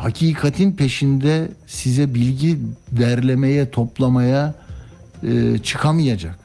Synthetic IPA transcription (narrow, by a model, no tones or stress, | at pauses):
hacʰiːkʰat̪ʰinpʰe̞ʃind̪ɛsizɛbilʲɟid̪æɾlʲemejɛt̪ʰo̞plˠamaja | ɯːt͡ʃʰɯ̥kʰamijad͡ʒak̚